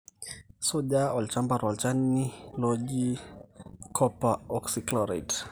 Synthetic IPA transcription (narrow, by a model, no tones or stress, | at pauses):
sɔʄaɔlt͡ʃambaɾɔlt͡ʃanːilɔd͡ʒi | kʰɔpaɔksiklɔɾat